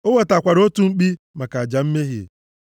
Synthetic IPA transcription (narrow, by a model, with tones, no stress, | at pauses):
o˦we˨ta˨kʷa˨ɾo˦tu˨ŋ͡m̩˦k͡pi˦ | ma˨ka˨a˨d͡ʒa˨m̩˦me˦ɦḛ˨ḛ˨